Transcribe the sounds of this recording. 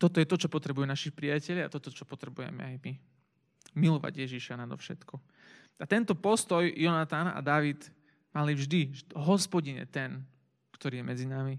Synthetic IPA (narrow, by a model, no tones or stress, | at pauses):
t̪ɔt̪ɔjɛt̪ɔt͡ʃɔpɔt̪ɾɛbujunaʃipɾijacɛʎjaat̪ɔt̪ɔt͡ʃɔpɔt̪ɾɛbujɛ̰mɛ̰ajmi | milɔʋa̰ɟjɛʒiʃanad̪ɔfʃɛt̪kɔ | at̪ɛnt̪ɔpɔst̪ɔjjɔnat̪ana̰d̪aʋid̪ | malivʒd̪iɦɔspɔɟiɲɛ̰t̪ɛn | kt̪ɔɾiːjɛmɛd͡zinami